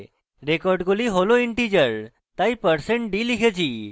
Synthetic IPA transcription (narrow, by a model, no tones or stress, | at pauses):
ɾekɔɾɖɡoliɦoloiɳʈid͡ʑəɾ | t̪aipəɾseɳʈɖiliɡed͡ʑi